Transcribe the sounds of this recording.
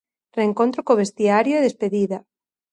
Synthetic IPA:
reːŋkont̪ɾokoβ̞est̪iaɾjoeðespeðiða

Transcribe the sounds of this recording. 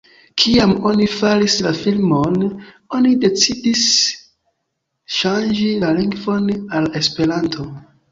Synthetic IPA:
kʰiamo̞nifaɾislafilmo̞n | o̞nide̞t͡sidis | ʃand͡ʒilaliŋɡvo̞nale̞spe̞ɾantʰo̞

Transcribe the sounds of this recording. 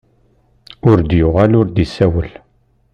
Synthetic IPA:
ʊɾd̪jʊʁalʊɾd̪isæwəl

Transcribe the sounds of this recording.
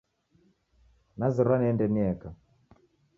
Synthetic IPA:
naziɾwaniɛndɛniɛka

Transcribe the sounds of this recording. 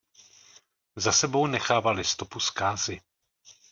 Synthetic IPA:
zasɛbo̞wnɛxaːvalɪst̪o̞puskaːzɪ

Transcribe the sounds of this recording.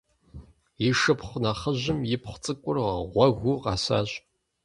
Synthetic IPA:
jɪʃɨpχʷnɐχəʑɪmjɪpʰχʷt͡sʼɨkʷʼʊrʁɐʁʷɐɣʷuqɑːsa̰ːɕʼ

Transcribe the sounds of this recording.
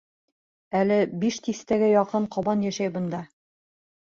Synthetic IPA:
ælɘbiʃt̪ist̪æɡæjɒqɤɴqɒbɑnjæʃæjbɤ̆nd̪ɑ

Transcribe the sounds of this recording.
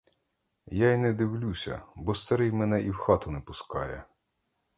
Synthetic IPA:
jainɛd̪ɪwlʲusʲɐ̰bɔst̪ɐɾɪjmɛnɛʔiwxɑt̪ʊnɛpʊskɑ̰jɛ̰

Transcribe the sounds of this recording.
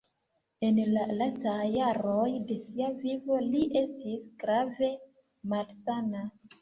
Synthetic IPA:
e̞nlalastajːaɾojde̞siavivo̞liʔe̞stisɡ̥ɾave̞ | malsana

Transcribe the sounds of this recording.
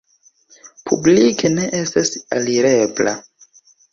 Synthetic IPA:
pʰṵblikʰene̞ʔestasa̰liɾebla̰

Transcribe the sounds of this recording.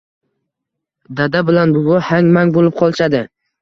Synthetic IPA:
d̪ad̪abɪlanbʊɡʊhaŋmaŋbolɪp̚qʰɒlˠɪʃad̪ɪ

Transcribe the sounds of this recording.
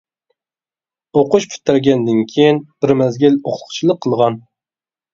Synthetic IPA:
oqʊʃpʰy̥t̪ʰːæɾɡʲɛnd̪ɪnkʲʰejinb̥ɪɾmɛzɡʲɪloχl̥ˠʰt͡ʃʰilˠəqʰːəlˠʁɑn

